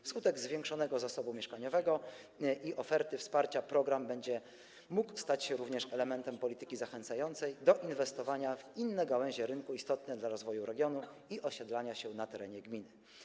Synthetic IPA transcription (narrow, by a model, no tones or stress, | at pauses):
fskut̪ɛɡzvʲjɛŋkʂɔn̪ɛɡɔzasɔbumʲjɛʂkaɲɔvɛɡɔ | ʔiʔɔfɛɾt̪ɘfspaɾt͡ɕapɾɔɡɾambɛɲd͡ʑɛ | mukst̪at͡ɕɕɛɾuvɲɛʂɛlɛmɛnt̪ɛmpɔlʲit̪ɘ̥kʲizaxɛnt̪sajɔnt̪sɛjd̪ɔʔinvɛst̪ɔvaɲavinːɛjɡawɛ̃ʑɛɾɘŋkuist̪ɔt̪̚nɛd̪laɾɔzvɔjuɾɛɡʲjɔnuiʔɔɕɛd̪laɲaɕɛnat̪ɛɾɛɲɛɡmʲinɘ